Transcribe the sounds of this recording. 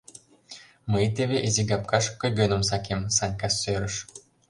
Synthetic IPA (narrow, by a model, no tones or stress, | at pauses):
məjt̪eβeʔeziɡɑp̚kɑʃkɤ̆jɡønə̆msɑkemsɑnʲkɑsːøɾə̆ʃ